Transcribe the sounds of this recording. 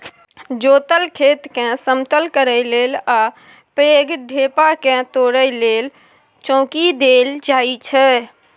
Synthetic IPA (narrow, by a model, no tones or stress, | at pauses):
d͡ʒot̪əlkʰet̪kɛ̃səmt̪əlkəɾəjlela | peɡɖʱepakɛ̃t̪oɾəjlel | t͡ʃɔ̃ːkid̪eld͡ʒait͡ʃʰɛ